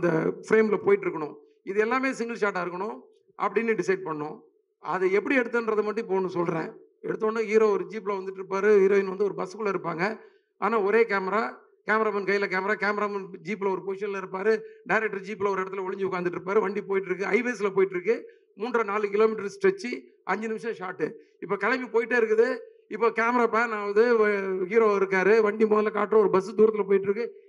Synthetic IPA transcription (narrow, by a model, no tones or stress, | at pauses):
ɐnd̪ɐfɪɾeːmlɐpoːjɪʈːɪɾɯkːɐɳʊ̃ | ɪðɯɛlːaːmeːsɪŋɡɐlsaːʈːaːɪɾɯkːɐɳʊ̃ | ʔɐ̰pːɐɽɪnːɯɖɪsɐɪɖ̚pɐɳːʊ̃ | ɐðɐɛpːɐɽiɛɽɯt̪ːɐndɾɐðɐmɐʈːɯ̃poːnːɯsɔlɾḛ̃ː | ɛɽɯt̪̬ːõːnːaːiːɾoɔɾɯd͡ʒiːpːlɐʋɐnd̪ɯʈːɪɾɯpːaːɾɯiːɾoːɪnʋɐnd̪ɯɔɾɯbɐskːɯɭlɐɪɾɯpːaːŋɡɐ | a̰ːnaːɔɾeːkeːmɐɾaː | keːmɐɾaːmɐnkɐɪɪlɐkeːmɐɾaːkeːmɐɾaːmɐnd͡ʒiːp̬ːɪlɐɔɾɯpoːʂɐnɪlɐɪɾɯpːaːɾɯɖɐɪɾɛk̚ʈːɐɾd͡ʒiːpːɪlɐɔɾɪɽɐt̪ːɪlɐʋɔɭɪɲd͡ʒɯʊkːaːnd̪ɯʈːɾɯpːaːɾɯʋɐɳɖipoːjɪʈːɪɾɯk̬ːɯɐɪʋɐsɪlɐpoːjɪʈːɪɾɯkːɯ | muːɳɖrɐnaːlɯkɪloːmɪʈːɐɾsʈɛt͡ʃːi | ɐɲd͡ʒɐnɪmɪʂɐ̃ʂaːʈːɯ̰ | ɪpːoːkɐɽɐmbipoːjɪʈːeɪɾɯkːɐðɯ | ɪpːoːkeːmɐɾaːpaːnaːʋɐnd̪ɯhiːɾoːɪɾɯkːaːɾɯʋɐɳɖimoːðɐɪlɐka̰ːʈːɾɐ̃ɔɾɯbɐsɯd̪uːɾɐt̪ːɪlɐp̬oːjɪʈːɪɾɯk̬ːɯ